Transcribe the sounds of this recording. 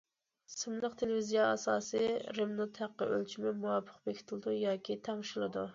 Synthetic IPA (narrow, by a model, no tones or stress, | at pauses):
sɨmlˠəqt̪ʰelɪvizijɑɑsɑːsɨɾemnot̪ʰhæqːəʔø̰lt͡ʃʰimɪmuɑpʰə̥qbekʲʰit̪ʰɪlˠɨd̪ujɑːkʲʰit̪ʰɑŋʃilˠɨd̪u